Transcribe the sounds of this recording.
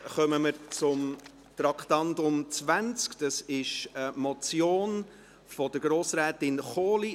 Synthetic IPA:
χœməməɾt͡sʊm | t̪ɾɑkχt̪ɑntʊmt͡svænt͡skd̥ɑsɪʃəmɔt͡sjoːn | fɔd̥əɾɡ̥ɾoːsɾɛːtɪnχoːli

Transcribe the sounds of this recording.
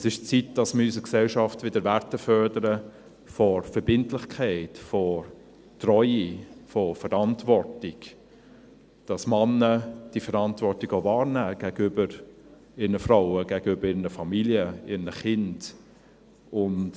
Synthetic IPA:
ɛsɪʃt͡sit̚d̥ɑsməysəksɛlʃɑftvɪdəɾvæɾtəfœɾdəɾə | fɔfəɾb̥ɪntlɪχkʰæɪtfɔ | trɔʏifɔfəɾɑntvɔrtɪɡ̥ | d̥ɑsmɑnːəd̥ifəɾɑntvɔɾtiɡovɑːɾnæːɡ̥æɡəybəɾ | ɪɾnəfraʊəɡ̥æɡəybəɾɪɾnəfɑmiljəɪɾnəχɪnd | ʊnt

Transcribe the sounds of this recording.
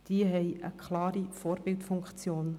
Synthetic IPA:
d̥iəɦɛjʔə̰kʰχlɑːɾifoːɾbɪltfʊŋkχt͡sjoːn

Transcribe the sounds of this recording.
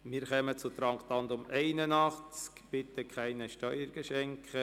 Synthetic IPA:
mɪːɾχœmət͡sʊt̪ɾɑŋkt̪ɑnd̪ʊmɛɪnənɑχt͡skb̥ɪt̪əkχæɪnəʃtœʏəɾɡ̥əʃɛŋkʰχə

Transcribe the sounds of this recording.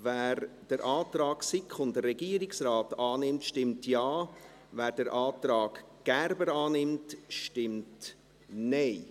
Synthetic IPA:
væːɾd̥əɾʔɑːtrɑːɡsɪkχʊndərːɛɡiːəɾɪksraːtɑːnɪmtʃtɪmtjɑː | væːɾdəɾʔɑːtrɾɑːɡ̥ | ɡ̥ærbəɾɑːnɪmtʃtɪmt | neɪ

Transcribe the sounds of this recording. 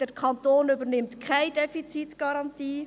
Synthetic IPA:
d̥əɾkʰɑntoːnʏbəɾnɪmtkʰaɪdɛfit͡sitɡ̥ɑɾɑntiː

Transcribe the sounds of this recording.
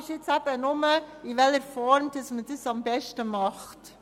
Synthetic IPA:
ɪʃɪt͡sæb̥ənʊməɪvɛləɾfɔɾmdɑsmədəsɑmbɛʃtəmɑχt

